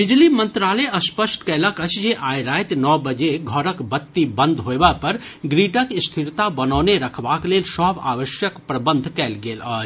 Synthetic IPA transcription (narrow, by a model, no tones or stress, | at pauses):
bɪd͡ʒlimə̃nt̪ɾaːləɐspəsʈkɛːlakət͡ʃjeʔaːjɾaːjt̪nɔːbəd͡ʒeɡʱɔːɾəkbɐt̪ːibə̃nd̪ʱɦoebapɐɾɡɾiːʈəkst̪ʰɪɾt̪abɐnɔːneɾɐkʰʋaːkleːlsɔːba̰ːʋəʃjəkpɾɐbə̃nd̪ʱkɛːlɡeːlaːd͡ʒ